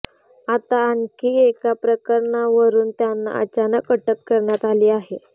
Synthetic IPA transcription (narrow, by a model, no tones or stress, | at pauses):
at̪aəŋkʰiːekapɾəkəɾɳaʋəɾuːnt̪janːa̰ə̰t͡ɕanəkːəʈəkːəɾɳjat̪aliːaɦe